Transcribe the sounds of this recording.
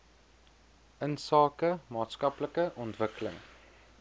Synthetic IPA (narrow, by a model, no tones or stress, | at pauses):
ʔənsɑːkəmɑːtskɐpləkəʔɔntvəkələ̰ŋ